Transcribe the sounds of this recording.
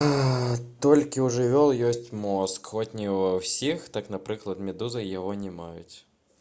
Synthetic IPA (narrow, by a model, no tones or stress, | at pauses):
t̪ɔlʲkʲiuʐɨvʲɔlˠjɔsʲt͡sʲmɔskxɔtʲnʲivɐwsʲixt̪aknɐpɾɨklˠɐt̪mʲɛd̪uzɨjaɣɔnʲɛmajʊ̰t͡sʲ